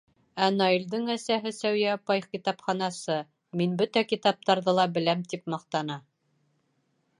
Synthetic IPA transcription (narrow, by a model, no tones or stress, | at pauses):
ænɑild̪ɤɴæsæɦɘsæwjæpɑjχkit̪ɑpχɑnɑsɤ | minbɵt̪ækit̪ɑp̚t̪ɑɾðɤlˠɑbɘ̆læmt̪ip̚mɑqt̪ɑnɑ